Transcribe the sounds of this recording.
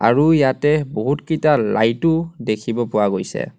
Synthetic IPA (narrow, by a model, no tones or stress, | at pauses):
a̰ɹujatɛboɦutkitala̰jtʊdekʰibɔpʊwaɡojsɛ̰